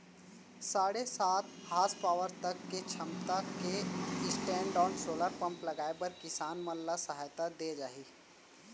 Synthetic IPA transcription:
saːɽesaːt̪̚haːspaːʋəɾt̪ɐkːet͡ʃʰɐmt̪akeɪsʈɛ̃ːɳɖɔːɳsoːləɾpɐ̃mplɐɡaːepɐɾkɪsaːnmɐlːasɐɦaːjt̪ad̪eːd͡ʒaːɦiː

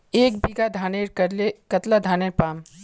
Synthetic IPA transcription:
eːkbiɡad̪ʱaːneɾkɐɾlekɐt̪lad̪ʱaːneɾpaːm

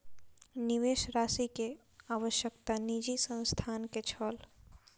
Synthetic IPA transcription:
niʋeʃɾasike | aʋəʃjəkt̪anid͡ʒisə̃nst̪ʰanket͡ʃʰəl

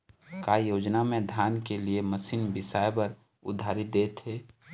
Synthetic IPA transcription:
kaːjoːd͡ʒnamẽd̪ʱjaːnkelieməsiːnbɪsaːjbəɾ | ʊ̰d̪ʱːaːɾid̪eːt̪ɦeː

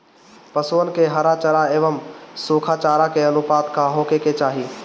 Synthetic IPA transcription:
pəsuənkeɦɐɾat͡ʃəɾaeːʋəmsuːkʰaːt͡ʃaːɾakeɐnʊpaːd̪kʰãɦoːkeket͡ʃaːɦiː

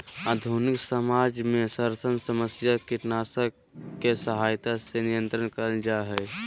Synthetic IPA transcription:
aːd̪ʱunɪksəmaːd͡ʒmẽsəɾsənsəməsjakiʈnaːsəkː | esəɦaːjt̪asenijə̃nt̪ɾənkəɾəld͡ʒaɦɛː

